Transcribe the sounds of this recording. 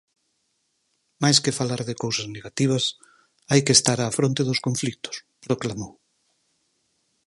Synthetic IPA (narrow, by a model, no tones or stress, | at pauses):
majskefalaɾðekowsazneɣat̪iβ̞ɐs | ajkest̪aɾaːfɾont̪eðʊskõɱflik̚t̪ʊ̥s | pɾoklamow